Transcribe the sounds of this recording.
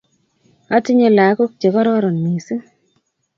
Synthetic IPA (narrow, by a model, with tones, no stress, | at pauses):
a˦ti˦ɲe˨la˨˦ko˦k̚t͡ʃe˨kɔ˦ɾɔ˦ɾɔ˨nːi˨si˦